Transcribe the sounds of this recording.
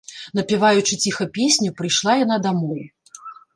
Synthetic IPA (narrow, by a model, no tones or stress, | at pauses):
nɐpʲivajut͡ʂɨt͡sʲixɐpʲesʲnʲupɾɨjʂlˠajan̪ad̪amɔj